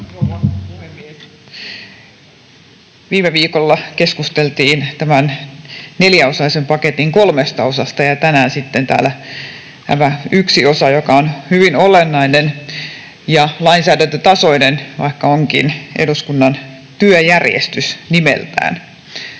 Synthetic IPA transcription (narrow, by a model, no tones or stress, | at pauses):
olːɑpuhemːies | ʋiːmeʋiːkolːɑkeskust̪elt̪iːnt̪æmænneljæosɑisempɑket̪iŋkolmest̪ɑosɑst̪ɑjɑt̪ænæːnsit̪ːent̪æ̰ːlæ | t̪æ̰mæyksiosɑjokɑonhyʋinolenːɑinen | jɑlɑinsæːdænt̪øt̪ɑsoinenʋɑ̰ikːɑoŋkḭnʔḛduskunːɑn | t̪yøjærjḛst̪ysnimḛlt̪æ̰ːn